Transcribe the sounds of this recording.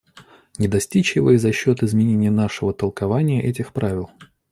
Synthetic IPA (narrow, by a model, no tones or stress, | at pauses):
nʲɪd̪ɐsʲtʲit͡ɕjɪvo̰ɪzɐɕːo̞t̪ɨɪzmʲɪnʲenʲɪjənaʂɨvət̪əlˠkɐvanʲɪjəʔɛtʲɪxpɾavʲɪlˠ